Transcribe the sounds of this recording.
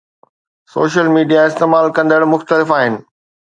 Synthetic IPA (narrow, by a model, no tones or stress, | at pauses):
so̰ːʃəlmiːɖijaɪst̪eːmaːlkɐ̃nd̪əɽmʊxt̪əlɪfaːɦɪnɪ̆